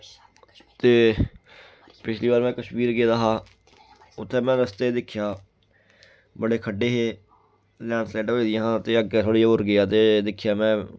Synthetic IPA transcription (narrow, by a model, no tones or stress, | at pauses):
t̪eː | pɪt͡ʃʰliːbaːɾmɛ̃ːkəʃmiːɾɡeːd̪aːɦaː | ʊt̪ʰːẽːmɛ̃ːɾəst̪eːd̪ɪkʰːjaː | bəɽeːkʰəɖːeːɦeː | lɛːnslɛːʈoːid̪ĩɦãːt̪eːəɡeːt̪ʰoːɽiːaʊɾɡɪaːt̪eːd̪ɪkʰːjaːmɛ̃ː